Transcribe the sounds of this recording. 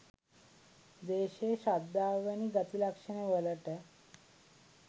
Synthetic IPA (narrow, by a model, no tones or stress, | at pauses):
d̪eɕeɕad̪ːaʋañiɡat̪ilakʂəñeʋələʈe